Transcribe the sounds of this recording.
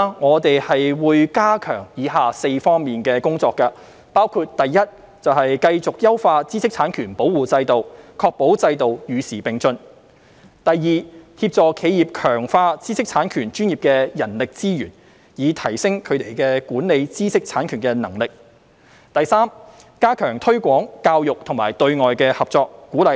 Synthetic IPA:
ŋɔː˨˧t̪e˨jhɐ˨jwuː˨˧jkaː˥kʰœ̰ː˨˩ŋjiː˨˧˥ɦaː˨se˧jfɔː˥ŋmiː˨nkɛː˧kʊ˥ŋt͡sɔː˧kːɐ˧ | paː˥wkʰuː˧t̚t̪ɐ˨˩jːɐ˥t̚ | t͡sɐ˨wɦɐ˨jkɐ˧jt͡sʊ˨k̚jɐ˥wfaː˧t͡siː˥sɪ˥k̚t͡sʰaː˨˥nkʰyː˨˩npo˨˥wuː˨t͡sɐ˧jt̪o˨wkʰɔː˧k̚po˨˥wt͡sɐ˧jt̪o˨wjyː˨˧siː˨˩pɪ˨ŋt͡sɵ˧n | t̪ɐ˨˩jːiː˨t̪ʰiː˧˥p̚t͡sɔː˨kʰe˨˧jiː˨p̚kʰœː˨˩ŋfaː˧t͡siː˥sɪ˥k̚t͡sʰaː˨˥nkʰyː˨˩nt͡ʃyː˥njiː˨p̚kɛː˧jɐ˨˩nlɪ˨k̚t͡siː˥jy̰ː˨˩n | jiː˨˧t̪ʰɐ˨˩jsɪ˥ŋkʰɵ˨˧ɥt̪e˨jkɛ˧kuː˨˥nne˨˧jt͡siː˥sɪ˥k̚t͡sʰaː˨˥nkʰyː˨˩nkɛː˧nɐ˨˩ŋlɪ˨k̚ | t̪ɐ˨˩jsaː˥m | kaː˥kʰœː˨˩ŋt̪ʰɵ˥ɥkʷɔː˨˥ŋkaː˧wjʊ˨k̚t̪ʰʊ˨˩ŋmaː˨˩jt̪ɵ˧ɥŋɔː˨jkɛː˧hɐ˨p̚t͡sɔː˧kːuː˨˥lɐ˨˧

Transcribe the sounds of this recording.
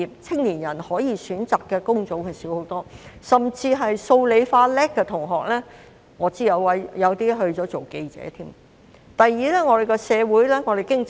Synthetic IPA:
i˨p̚t͡sʰɪ˥ŋniː˨˩njɐ˨˩nhɔː˨˥jiː˨˧syː˨˥nt͡saː˨kːɛː˧kʊ˥ŋt͡so˨˥wkɛ˧siː˨˥who˨˧˥wt̪ɔː˥sɐ˨mt͡siː˧ɦɐ˨jso˧wle˨˧jfaː˧lɛː˥kːɛ˧t̪ʰʊ˨˩ŋɦɔː˨k̚lɛː˥ | ŋɔː˨˧t͡siː˥jɐ˨˧wwɐ˨˥jjɐ˨˧wt̪iː˥ɦɵ˧ɥt͡sɔː˨˥t͡so˨wke˧jt͡sɛ̰ː˨˥t̪ʰiː˥m | t̪ɐ˨jːiː˨lɛː˥ŋɔː˨˧d̪e˨jkɛ˧sɛː˨˧wuː˨˥jlɛː˥ŋɔː˨˧d̪e˨jkɪ˥ŋ

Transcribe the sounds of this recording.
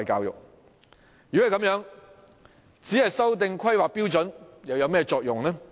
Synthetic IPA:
jkaː˧wjʊ̰˨k̚ | jy˨˥˨kɐ˨˦mjœː˨˥ŋ | t͡siː˨˥hɐ˨jsɐ˥wt̪̬ɪ˧ŋkʰɐ˥jwaː˨k̚piː˥wt͡sɔ˨˥njɐ˨˧wjɐ˨˧wmɛː˥t͡sɔː˧k̚jʊ˨ŋnɛː˥

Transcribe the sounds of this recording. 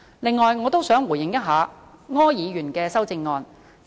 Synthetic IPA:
lɪ˨ŋːɔː˨˩jŋɔː˨˧t̪o˥wsœː˨˥ŋwuː˨˩jɪ˨ŋjɐ˥t̚ɦaː˨˧ŋɔː˥jiː˨˧ɥyː˨˩nkɛː˧sɐ˥wt͡sɪ˧ŋːɔː˧n

